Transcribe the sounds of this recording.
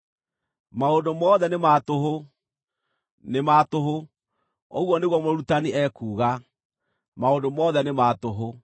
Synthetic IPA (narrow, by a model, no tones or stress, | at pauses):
maondomɔðɛnematoɦo | nematoɦo | oɣwɔneɣwɔmoɾutaniʔɛkuːɣa | maondomɔðɛnematoɦo